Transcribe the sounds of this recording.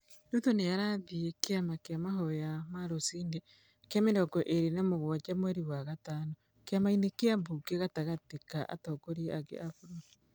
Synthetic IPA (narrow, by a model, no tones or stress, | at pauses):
dutonejaɾaðiekeamakeamaɦɔjamaɾosiːnde | keamenɔkɔʔeɾenamoɣwat͡ʃamwɛɾiwaɣataːnɔ | keamainekeambukeɣataɣatikaʔa̰tɔkoɾiakḛʔafuɾo